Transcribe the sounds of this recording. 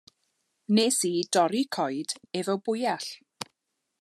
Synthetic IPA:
nesiːdɔɾikʰɔjd̥ɛvɔbʊjaɬ

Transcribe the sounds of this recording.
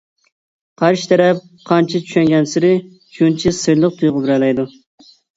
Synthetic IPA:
qʰɑɾʃi̥t̪ʰɛɾɛp̚ | qʰɑnt͡ʃʰit͡ʃʰy̥ʃɛŋɡʲɛnsɪɾɪ | t͡ʃʰunt͡ʃʰisɨjlˠəq̚t̪ʰujʁʊbɪɾɛlɛjd̪u

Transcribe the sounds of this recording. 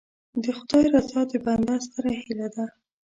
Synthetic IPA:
d̪əxʊd̪ɑjɾazɑd̪əband̪ast̪aɾahilad̪a

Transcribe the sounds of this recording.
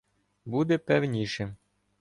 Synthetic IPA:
bud̪ɛpɛwnʲiʃɛ

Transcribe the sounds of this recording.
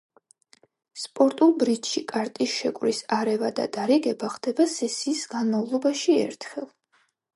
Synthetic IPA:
spʼɔɾt̪ʼulˠbɾit̪ʰʃikʼaɾt̪ʼisʃɛkʼwɾisaɾɛvad̪a̰d̪aɾɛɡɛbaχd̪ɛbasɛsiːsɡanmavlˠɔbaʃiɛ̰ɾt̪ʰχɛlˠ

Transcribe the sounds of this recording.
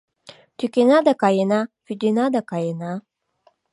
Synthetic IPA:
t̪ykenad̪akɑjenafyd̪enad̪akɑjena

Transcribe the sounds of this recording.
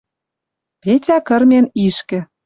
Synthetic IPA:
petʲækɤ̆rmʲeniʃkɘ̆

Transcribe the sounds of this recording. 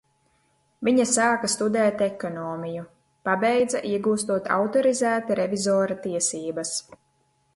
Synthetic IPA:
viɲasaːkast̪ud̪ɛːt̪ɛkɔnɔːmiju | pabɛjd̪zaʔiɛɡuːst̪uɔt̪ʰa̰wt̪ɔɾizæːt̪iɾevizɔːɾat̪iɛsiːbɐs

